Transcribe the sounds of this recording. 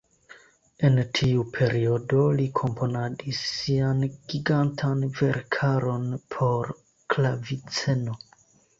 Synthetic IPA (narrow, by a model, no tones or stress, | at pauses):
e̞ntʰiupʰe̞ɾio̞do̞likʰo̞mpʰo̞nadisːianɡ̥iɡantʰanve̞ɾkʰaɾo̞npʰo̞ɾ | klavit͡se̞no̞